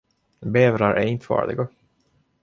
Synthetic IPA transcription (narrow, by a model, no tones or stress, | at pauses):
beːvɾaɾʔɛ̰ɾɪnt̪əfɑ̰ːɖ̪ɪ̰ɡa